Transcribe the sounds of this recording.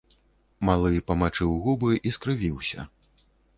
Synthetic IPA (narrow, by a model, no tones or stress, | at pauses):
malˠɨjpɐmat͡ʂɨwɣubɨʔiskɾɨvʲiwsʲɐ̰